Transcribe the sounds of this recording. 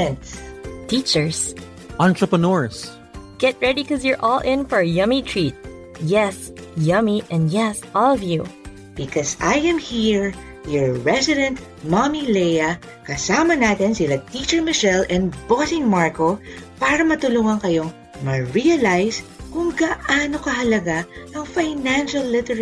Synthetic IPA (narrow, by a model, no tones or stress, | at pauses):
ɛnt̪st̪it͡ʃəɹs | ʔãnt̪ɹɐpɐnɔɹs | ɡ̥ɛt̪̚ɹɛdikɔzjəɹʔɔlˠʔɪ̃nfɔɹɐjɐmit̪ʰɹit̪̚ | jɛs | jʌmiʔɛ̃nd̪jɛsʔɔlˠɔvju | b̥ɪkɔsajɛ̃mhiɹ | jɔɹːɛsɪd̪ɛ̃nt̪̚ | mamilɛjɐ | kɐsaːmɐnaːt̪ɛnsɪlɐt̪it͡ʃɛɹmɪʃɛlɛ̃nbɔsɪ̃ŋmaɹkopaːɾɐmɐt̪ʊluŋɐŋkɐjoŋ | mɐɹiɐlajskʊŋɡɐʔaːnokɐɦɐlɐɡaʔɐŋfajnãnʃɐlːɪt̪ɛɹ